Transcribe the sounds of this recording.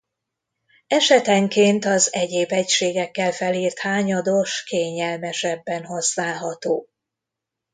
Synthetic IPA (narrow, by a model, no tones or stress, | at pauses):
ɛʃɛt̪ɛŋkeːnt̪ɒzɛɟeːbɛcʃeːɡɛkːɛlfɛliːrt̪haːɲɒd̪o̞ʃkeːɲɛlmɛʃɛbːɛnɦo̞snaːɦɒt̪oː